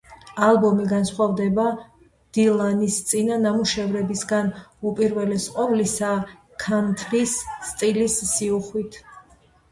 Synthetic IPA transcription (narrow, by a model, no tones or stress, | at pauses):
alˠbɔmiɡansχwavd̪ɛba | d̪̥ilˠanist̪sʼinanamuʃɛvɾɛbisɡanupʼiɾvɛlɛsqʼɔvlisa | kʰant̪ʰɾisːt̪ʼilisːiuχwit̪ʰ